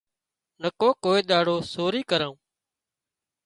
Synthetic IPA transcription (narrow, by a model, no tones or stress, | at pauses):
nəkoːkoːeːɗ̪aːɽoːsoːɾiːkəɾãːũː